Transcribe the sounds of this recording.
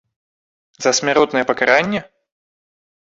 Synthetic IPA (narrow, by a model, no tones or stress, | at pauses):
zɐsʲmʲɪɾɔt̪nəjəpəkaɾanʲːjə